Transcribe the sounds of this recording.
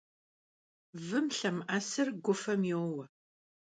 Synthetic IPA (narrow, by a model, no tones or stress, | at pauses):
vɨmɬɐmʔɐsɨrɡʷʊfɐmjewwɐ